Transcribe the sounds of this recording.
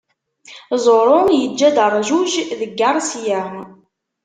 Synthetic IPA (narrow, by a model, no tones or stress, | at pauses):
zˤoɾˤojəd͡ʒːæd̪ərˤʒuʒðəɡːɑɾˤsjæm